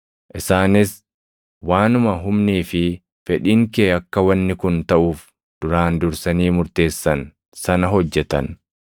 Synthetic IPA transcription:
ʔɪsaːnɪs | waːnʊmɐɦʊmniːfɪ | fɛᶑiːŋkeːɐkːɐwɐnːɪkʊnt̪ɐʔuːf | d̪̥ʊɾaːnd̪ʊɾsɐniːmʊɾt̪e̞ːsːɐn | sɐnɐɦɔd͡ʒːɛt̪ɐn

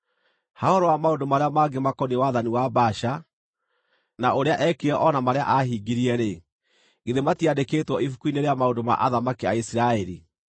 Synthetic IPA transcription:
hahɔɾɔwamaondomaɾeamaːɡemakɔniwaðaniwabaʃa | naʔoɾeaʔɛkeɛʔɔnamaɾea̰ʔaɦiɡiɾiɛɾe | ɡeðematiadeketwɔifukuineɾeamaondoma̰ʔaðamakiaisiɾaɛɾi

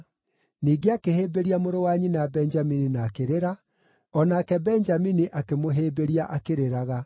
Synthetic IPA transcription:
niːɡeakeheːbeɾiamoɾowaɲinajabɛnd͡ʒamininaːkeɾeɾa | ɔnaːkɛbɛnd͡ʒaminiʔakemoɦeːbeɾiaʔakeɾeɾaɣa

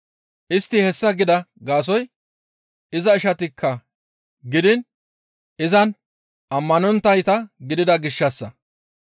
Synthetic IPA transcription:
ʔɪst̪ːɪhɛsːɐɡɪd̪ɐɡaːs̬ɔj | ɪzɐɪʃɐt̪ɪkʰːɐ | ɡɪd̪ɪn | ɪzɐn | ʔɐmːɐnɔnt̪ːɐjt̪ɐɡɪd̪ɪd̪ɐɡɪʃːɐsːɐ

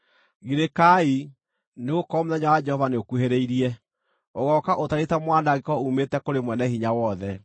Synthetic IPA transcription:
ɣiɾekai | neɣokɔmuðaɲawad͡ʒɛhɔvaneokuheɾeiɾiɛ | oɣɔkaʔotaɾetamwandaɣekɔumetɛkoɾemwɛnɛhiɲawɔðɛ

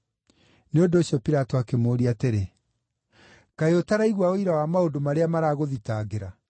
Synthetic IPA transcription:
neondoːɕjɔpiɾatɔakemoːɾiateɾe | kaeotaɾaiɣwaoiɾawamaodomaɾeamaɾaːɣoðitaɣeɾa

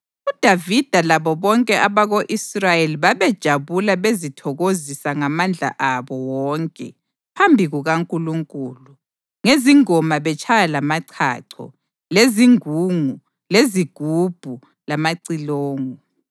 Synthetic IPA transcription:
ud̥ʱavid̥ʱalaβɔβɔŋkʼɛʔaβaɣoʔisrajeliβaβɛd̥ʒ̥ʱaβulaβezitʰɔɣozisaŋamand͡ɮʱa̰ʔaβɔwɔŋkʼɛ̰ | pʰambʱiɣuɣaŋkʼuluŋkʼuːlu | ŋeziŋɔmaβɛt͡ʃʰʼajalamaǀʰa̰ǀʰɔ̰ | leziŋuŋu | leziɡ̥ʱub̥ʱu | lamaǀiloːŋu

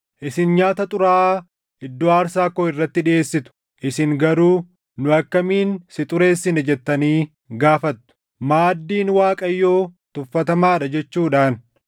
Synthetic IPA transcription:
ʔɪsɪnɲaːt̪ɐt̪ʼʊɾaː | ɪd̪ːoːaːɾsaːkːoːɪrːɐt̪ːɪᶑɪʔe̞ːsːɪt̪ʊ̥ | ʔɪsɪŋɡɐɾuː | nʊɐkːɐmiːnsɪt̪ʼʊɾe̞ːsːɪnɛd͡ʒɛt̪ːɐniː | ɡaːfɐt̪ːʊ̥ | maːd̪ːiːnwaːkʼɐjːo̞ːt̪ʊfːɐt̪ɐmaːᶑɐd͡ʒɛt͡ʃːuːᶑaːn

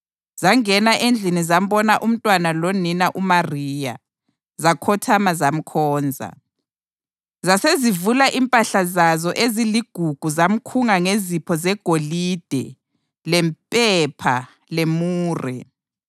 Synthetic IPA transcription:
z̥aŋɛnaʔend͡ɮʱinizam̩bɔnaʔum̩tʼwanaloninaʔumariːja̰ | zakʰɔtʰamazam̩kʰɔːnd͡zʱa̰ | zasezivulaʔimpʼaɬazazɔʔeziliɡ̥ʱuɡ̥ʱuzam̩kʰuŋaŋezipʰɔzɛɡ̥ʱolid̥ʱɛ̰ | lɛmpʼɛpʰa̰ | lemuːrɛ̰

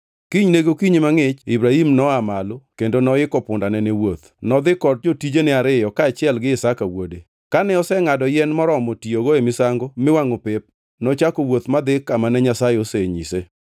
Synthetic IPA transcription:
kiɲneɡokiɲemaŋɪt͡ʃibɾahimnɔamalokendonɔɪkɔpʊndanɛnewot̪ | nɔd̪ɪkɔt̚d͡ʒotid͡ʒenɛaɾɪjɔkaːt͡ʃɪɛlɡɪɪsakawo̰de | kanɛɔsɛŋadɔjɛnmɔɾɔmotioɡoemɪsaŋɡomɪwaŋopɪp̚ | nɔt͡ʃakowot̪mad̪ɪkamanɛɲasajɪoseɲḭse

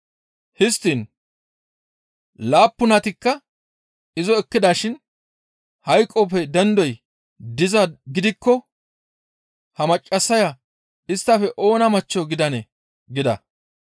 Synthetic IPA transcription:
hɪst̪ːiːn | laːpːʊnɐt̪ɪkːɐ | ɪzɔɛkːɪd̪aːʃɪn | hɐjkʼːɔpɛd̪ɛnd̪ɔj | d̪ɪzɐɡɪd̪ɪkːɔ | hɐmɐt͡ʃʼːɐsːɐjɐ | ɪst̪ːɐfɛʔo̞ːnɐmɐt͡ʃːɔɡɪd̪ɐnɛ | ɡɪd̪ɐ̰

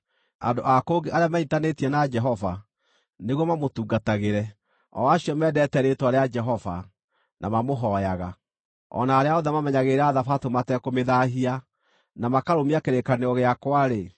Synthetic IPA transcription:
a̰ndoʔakoɡeʔaɾeamaitanetiɛnad͡ʒɛɦɔva̰ | neɣwɔmamotuːɡataɣeɾɛ | ɔ̰aɕiɔmɛːdɛtɛɾetwaɾead͡ʒɛɦɔva̰ | nʔa̰mamoɦɔjaɣa | ɔ̰naːɾeaɔðɛmamɛɲaɣeɾaːðafatomatɛkomeðaɦia | namakaɾomiakeɾekaneɔɣeakwaɾe

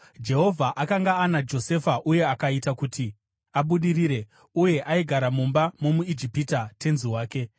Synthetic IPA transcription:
d͡ʒe̞ɦo̞vʱaʔakaŋɡaːnad͡ʒo̞se̞faʔuje̞akaitakuːti | aɓuɗiɾiːɾe̞ | uje̞ʔaiɡʱaɾamumbamo̞muid͡ʒipitatʰe̞nziwaːke̞

